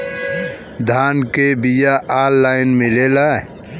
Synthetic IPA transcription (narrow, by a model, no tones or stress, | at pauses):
d̪ʱankebijaʔalːaɪnmɪlela